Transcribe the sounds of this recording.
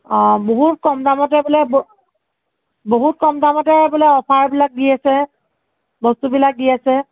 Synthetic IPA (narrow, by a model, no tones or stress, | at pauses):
boɦut̚kɔmdamɔtɛbɔlɛb | boɦut̚kɔmdamɔtɛbɔlɛɔpʰaɹbilak̚ɡijasɛ | bɔstubilak̚ɡijasɛ